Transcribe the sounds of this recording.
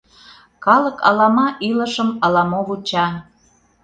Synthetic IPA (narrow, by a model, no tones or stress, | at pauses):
kɑləkɑ̰lɑmɑʔiləʃəmɑlɑmoβut͡ɕɑ